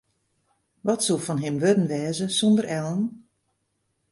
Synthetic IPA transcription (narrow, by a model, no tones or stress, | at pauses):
ʋɔtsulˠfɔnɦɪmʋødən̩ʋɛːzəsondəɾɛlˠən